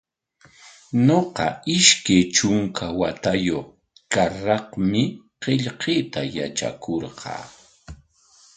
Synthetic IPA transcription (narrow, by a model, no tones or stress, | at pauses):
noqɑ̰ɪʃkajt͡ʃʊŋkʰawat̪ajoχ | kaɾɑqmɪ | qeʎqʰeːt̪aja̰t͡ʃa̰kʰoɾqʰɑ̰ː